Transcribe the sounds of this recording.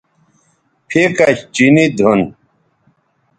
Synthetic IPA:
pʰekaɕt͡ɕinid̪ʱun

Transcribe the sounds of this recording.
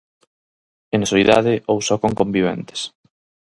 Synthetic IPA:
ensoiða̰ðɪʔowsɔkoŋkombiβ̞ɛ̰nt̪e̥s

